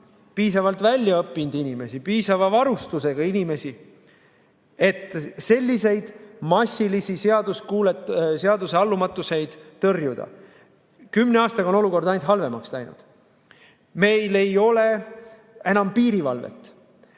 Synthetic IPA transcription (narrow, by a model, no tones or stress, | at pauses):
piːsɑvɑlt̪vælʲjɑɤpːˑind̪̥inʲime̞sipiːsɑvɑvɑɾust̪use̞ɡ̥ɑinʲime̞si | e̞t̪ːˑse̞lʲːise̞jd̪̥mɑsʲilisiseɑd̪̥uskuːlet̪seɑd̪useɑlːumɑt̪ːˑuse̞jd̪̥t̪ɤrjud̪̥ɑ̰ | kymːneɑːst̪ɑɡɑo̞no̞luko̞rd̪̥ɑjnt̪ɦɑlve̞mɑkslæjnṵd̪̥ | me̞jle̞jo̞le̞ | e̞nɑmpiːɾivɑlvḛt̪ːˑ